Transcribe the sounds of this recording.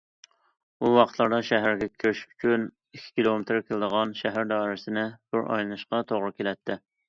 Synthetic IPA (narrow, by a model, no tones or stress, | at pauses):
buwɑqʰət̪lˠɑɾd̪ɑʃɛɦæɾɡʲɛkʲʰøʃy̥t͡ʃʰyn | ikʲʰːi̥kʲilˠomet̪ɾkʲʰeld̪əʁɑnʃɛɦæɾd̪ɑːiɾɪsɪnɪb̥ʊɾʔɑ̰jlˠɨnɨʃqɑt̪ʰoʁɾɨkʲʰelɛt̪ʰːɪ